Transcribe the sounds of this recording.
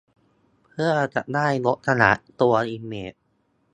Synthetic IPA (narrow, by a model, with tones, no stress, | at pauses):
pʰɯ˥˩ɐt͡ɕa̰˨˩ʔnaː˥˩jlo˦˥t̪̚k̪ʰa˧na̰˨˩ʔt̪u˧ɐʔiː˧meː˨˩